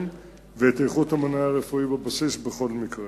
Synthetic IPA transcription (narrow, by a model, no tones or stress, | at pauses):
m | veet̪ejχut̪hamanajaʁefuibabasisbeχo̞lmikʁe